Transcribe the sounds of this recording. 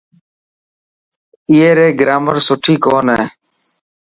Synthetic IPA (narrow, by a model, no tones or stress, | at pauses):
ɪeːɾeːɡɾaːməɾsʊʈʰiːkoːneː